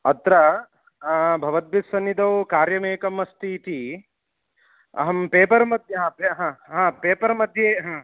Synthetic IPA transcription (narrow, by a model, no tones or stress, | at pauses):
ɐt̪ɾɐ | bʱɐʋɐd̪̚bisɐnːid̪ɐwkaːɾjɐmeːkɐmɐst̪it̪i | ɐ̰ɦɐmpeːpɐɾmɐd̪ʱjɐɦãːpeɦãːɦãːpeːpɐɾmɐd̪ʱjeːɦãː